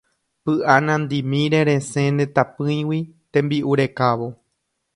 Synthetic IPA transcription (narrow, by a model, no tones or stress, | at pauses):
pɨʔanãnd̪imĩɾeɾẽsẽnẽt̪apɨ̃j̃wit̪ẽmbiʔuɾe̞kaʋo̞